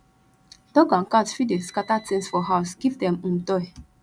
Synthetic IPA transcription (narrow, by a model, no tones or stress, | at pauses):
d̥ɔɡãnkatfideskatatẽnsfɔɦaʊsɡ̥ivdɛ̃mũmtɔj